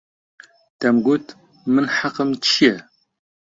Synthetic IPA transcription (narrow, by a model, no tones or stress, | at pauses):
tʰɐmɡʷʊtʰ | mɨnħaqəmt͡ʃʰijɛ